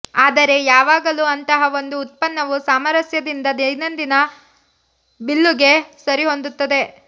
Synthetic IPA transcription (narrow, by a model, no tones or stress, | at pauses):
aːd̪ɐɾe̞jaːʋaːɡɐluɐnt̪ɐɦɐʋo̞nd̪uːt̪̚pɐnːɐʋusaːmɐɾɐsjɐd̪ind̪ɐd̪ɐjnɐnd̪inɐ | bilːuɡe̞sɐɾiɦo̞nd̪ut̪ːɐd̪e̞